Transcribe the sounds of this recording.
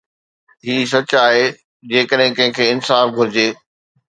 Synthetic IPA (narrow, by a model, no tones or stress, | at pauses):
ɦiːs̬ɐt͡ɕaːɦe | d͡ʑeːkəɗɦɪ̃kɐ̃ɦɪ̃kʰeːɪnsaːfɡʱʊɾɪd͡ʑeː